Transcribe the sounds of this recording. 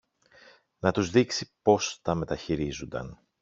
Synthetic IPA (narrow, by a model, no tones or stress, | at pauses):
nɐt̪uzðiksipo̞st̪ɐme̞t̪ɐçiɾizund̪ɐ̰n